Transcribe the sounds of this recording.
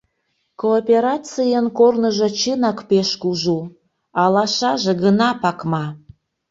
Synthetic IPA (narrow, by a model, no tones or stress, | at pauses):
koːpʲeɾat͡sɨjənkornəʒə̆t͡ɕɨnɑkpeʃkuʒu | ɑlɑʃɑʒeɣənɑpɑkmɑ